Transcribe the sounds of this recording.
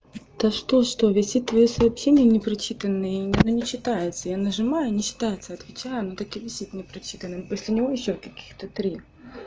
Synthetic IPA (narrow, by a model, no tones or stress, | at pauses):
t̪aʂt̪oʂt̪ovʲɪsʲit̪̚t̪ːvɐjosɐɐpɕenʲɪjənʲɪpɾɐt͡ɕit̪ənːɨjʲɐnonʲɪt͡ɕːɪt̪ajɪt̪səjanəʐɨmajʊnʲɪɕːɪ̥t̪ajɪt̪səɐt̪vʲɪt͡ɕæjʊnot̪akɪvʲɪsʲit̪nʲɪpɾɐt͡ɕit̪ənːɨmposʲlʲɪnʲɪvojɪɕːokɐkʲi̥xt̪ət̪ɾʲi